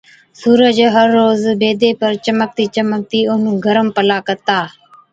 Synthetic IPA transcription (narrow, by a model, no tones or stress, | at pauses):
suːɾəd͡ʒɦəɾːoːzbeːd̪eːpəɾt͡ʃəmək̚t̪iːt͡ʃəmək̚t̪iːʊɦnũːɡʱəɾəmpəlaːkət̪aː